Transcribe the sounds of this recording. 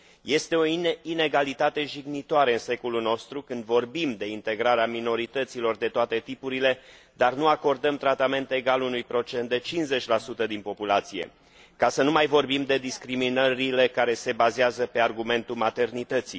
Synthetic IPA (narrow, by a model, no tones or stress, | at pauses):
je̞st̪e̞o̞iine̞ɡalit̪at̪e̞ʒiɡnit̪oaɾeɨnse̞ko̞luno̞st̪ɾukɨnd̪vo̞rbimd̪e̞int̪e̞ɡɾaɾeamino̞ɾit̪ət̪silo̞rd̪e̞t̪oat̪e̞t̪ipuɾile̞ | d̪arnuako̞rd̪əmt̪ɾat̪ame̞nt̪e̞ɡalunujpɾo̞t͡ʃe̞nt̪̚d̪e̞t͡ʃinze̞t͡ʃʲlasut̪əd̪inpo̞pulat̪sije̞̰ | kasənumajvo̞rbimd̪e̞d̪iskɾiminəɾile̞kaɾe̞se̞bazeazəpe̞arɡume̞nt̪ulmat̪e̞rnit̪ət̪si